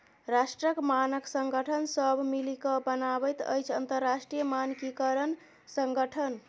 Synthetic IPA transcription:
ɾasʈɾəkmanəksəŋɡəʈʰənsəbʱmilikəbənabəjt̪ə̰jt͡ʃʰə̰nt̪əɾːasʈɾijəmankikəɾən | səŋɡəʈʰən

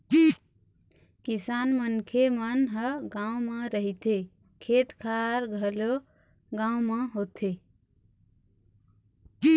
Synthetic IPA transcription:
ki | kisanmənkʰemənɦəɡãũməɾəɦit̪e | kʰet̪kʰaɾɡʱəlo | ɡãũməɦot̪ʰe | i

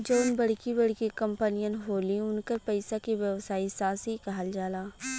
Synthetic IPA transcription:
d͡ʒoːʊnbɐɽ̤kibɐɽkikɐ̃mpənijə̃nɦoːlĩʊnkəɾpɛɪsakiʋjɐʋsaːisaːsikɐɦəld͡ʒaːlaː

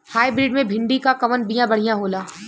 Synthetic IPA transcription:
haːibɾiːɖmẽbʱɪ̃ɳɖikakɐʋənbijãbɐɽ̤ijãɦoːlaː

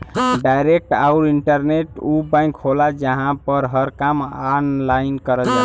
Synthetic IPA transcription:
ɖajɾek̚ʈaʊɾiɳʈəɾneʈubãɪ̃kɦolad͡ʒəɦãpəɾɦəɾkamanlainkəɾəd͡ʒa

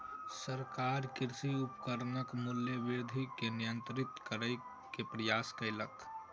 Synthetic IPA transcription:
səɾkaɾkɪɾsiupkəɾnəkmuljəbɪɾd̪ʱikenijənt̪ɾɪt̪kəɾəj | kepɾəjaskəɪlək

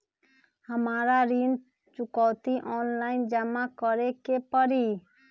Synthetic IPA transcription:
hamaɾaɾin | t͡ʃukɔwt̪iʔɔnlajnd͡ʒamakɔɾekepɔɾi

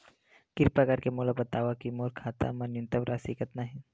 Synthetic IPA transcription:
kiɾpakaɾkemulabət̪aːʋakimoɾkʰaːt̪a̰mɐnjunt̪əʋɾʔasikət̪naɦi

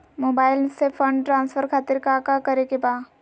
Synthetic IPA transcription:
moːbaːɪlsefʰə̃ɳɖʈɾãːnsfʰəɾkʰaːt̪ɪɾkakakɐɾekebaː

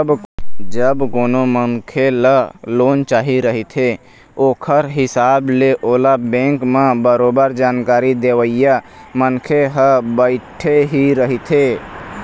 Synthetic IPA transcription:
bd͡ʒəbkonomənkʰeləloːnt͡ʃaːɦiɾəɦit̪ʰe | oːkʰəɾɦɪsableʔoːlabẽŋkmebəɾobəɾd͡ʒaːnkaːɾid̪eʋəja | mənkʰeɦəbəɪʈʰeɦiɾəɦit̪ʰe

